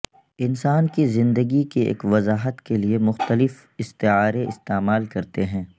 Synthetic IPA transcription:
ɪnsaːnkizɪ̃nd̪əɡikeḛːkʋɐzaːɦət̪keliemʊxt̪əlɪf | ɪst̪eaːɾeɪst̪eːmaːlkɐɾt̪eɦɛ̃ː

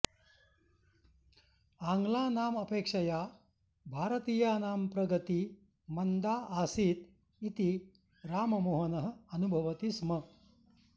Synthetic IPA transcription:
aːŋɡlaːnaːmɐpeːkʂɐjaː | bʱaːɾɐt̪iːjaːnaːmpɾɐɡɐt̪i | mɐnd̪aːʔaːsiːt̪ | it̪i | ɾaːmɐmoːɦɐnɐɦɐ̆ɐnubʱɐʋɐt̪ismɐ

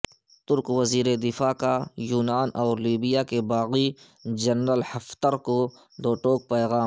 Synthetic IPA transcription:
t̪ʊɾkwɐziːɾed̪ɪfaːkajuːnaːnɔːɾliːbijakebaːɣi | d͡ʒɐnɾəlhɐft̪əɾko | d̪oːʈoːk̚pɛːɣaː

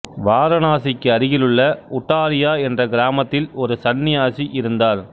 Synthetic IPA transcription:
ʋaːɾɐnaːsɪkːɯɐɾɪɣɪlɯɭːɐʊʈːaːɾɪjaːɛndrɐɡɪɾaːmɐt̪ːɪlɔɾɯsɐnːɪjaːsiʔɪɾɯnd̪aːɾ

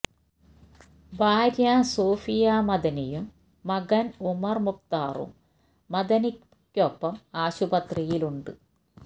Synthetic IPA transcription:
bʱaːɾjaːsoːfijaːmɐd̪ɐnɐjumː | ɐɡɐnumɐrmuk̚t̪aːrṵmː | ɐd̪ɐnikʲː | opːɐmaːɕubɐt̪rijiluɳɖɨ

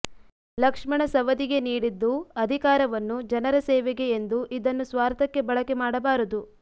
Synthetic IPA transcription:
lɐkʂmɐɳɐsɐʋɐd̪iɡe̞niːɽid̪ːuɐd̪ʱikaːɾɐʋɐnːud͡ʒɐnɐɾɐsɛːʋɛɡe̞ːnd̪uʔid̪ɐnːusʋaːɾt̪ɐkːe̞bɐɭɐkemaːɽɐbaːɾud̪u

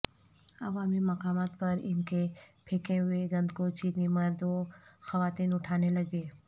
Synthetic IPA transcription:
ɐ̰ʋaːmimɐkaːmaːt̪̚pɐɾɪ̰nkepʰeːkeɦʊeɡɐ̃nd̪kot͡ʃiːɾnimɐɾd̪oxɐʋaːt̪iːnʊʈʰaːnelɐɡeː

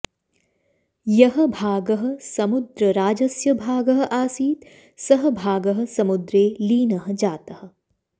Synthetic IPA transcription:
jɐɦə̆bʱaːɡɐɦɐ̆sɐmʊd̪ɾəɾaːd͡ʒɐsjɐbʱaːɡɐɦɐ̆ʔaːsiːt̪ | sɐɦəbʱaːɡɐɦə̆sɐmʊd̪ɾeːliːnɐɦə̆d͡ʒaːt̪ɐhɐ̆

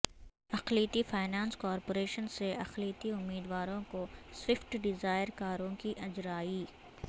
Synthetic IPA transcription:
ɐqliːt̪ifaːɪnãːnskɔːɾpoːɾeːʃənseɐqliːt̪iʊmːiːd̪ʋaːɾõkoswɪfʈɖɪzaːɪɾkaːɾõkiʔɐd͡ʒɾaːiː

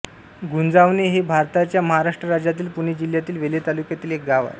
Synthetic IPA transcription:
ɡʱund͡zaʋneɦebʱaɾt̪at͡ɕjaməɦaɾaʂʈɾəɾad͡ʑjat̪iːlpuɽ̃ed͡ʑil̤jat̪iːlʋelet̪alukjat̪iːlek̚ɡaʋa̰ɾ

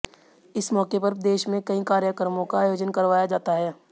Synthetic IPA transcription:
ɪsmɔːkepɐɾd̪eːʃmẽkɐĩkaːɾjəkɾəmõkaːjoːd͡ʒənkɐɾʋaːjad͡ʒaːt̪aɦɛː

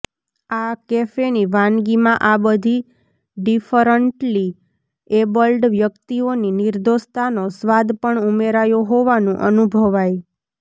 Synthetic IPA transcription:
akefeniʋãnɡimãʔabəd̪ʱi | ɖifəɾəɳʈli | ebəlɖʋjəkt̪ioninɪɾd̪ʱost̪anosʋad̪pəɳumeɾajoɦoʋanũʔənubʱəʋaj

